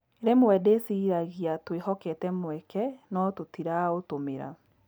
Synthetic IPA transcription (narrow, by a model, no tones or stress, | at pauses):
eɾemwɛdesiːɾaɣiatwehɔkɛtɛmwɛkɛnɔtotiɾaotomeɾa̰